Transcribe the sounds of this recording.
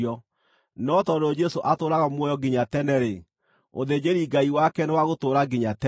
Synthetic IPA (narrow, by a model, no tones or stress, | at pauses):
ɔ | nɔtɔɾɔd͡ʒɛsoʔatoːɾaɣamwɔjɔɡeɲatɛnɛɾe | o̰ðed͡ʑeɾiɡaiwakɛnewaɣotoːɾaɡeɲatɛ